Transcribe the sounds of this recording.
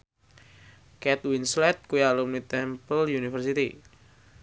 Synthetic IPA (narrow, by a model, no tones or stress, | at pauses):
kɛt̪winslɛt̪̚kujalumnit̪ɛmpəljunifərsit̪i